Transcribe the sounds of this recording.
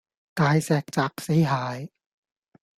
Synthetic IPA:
t̪aː˧jsɛː˨˩k̚t͡saː˨˩k̚se˨˥jɦaː˨˧j

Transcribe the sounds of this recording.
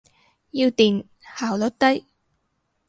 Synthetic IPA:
jiː˧wt̪iː˨˩n | haː˨˩wlo˨˥t̪ɐ˥j

